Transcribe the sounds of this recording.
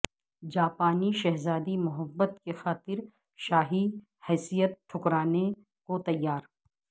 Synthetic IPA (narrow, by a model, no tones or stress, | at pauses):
d͡ʒaːpaːniʃɐɦzaːd̪imʊɦəbːət̪kexaːt̪ɪɾ | ʃaːɦi | hɛːsijət̪̚ʈʰʊkɾaːne | kot̪ɐjːaːɾ